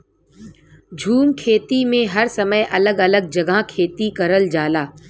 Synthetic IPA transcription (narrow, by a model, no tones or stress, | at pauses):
d͡ʒʱuːnkʰeːt̪imẽɦɐɾsɐməjʔɐləɡɐləɡ̚d͡ʒɐɡʱakʰeːt̪ikɐɾəld͡ʒaːlaː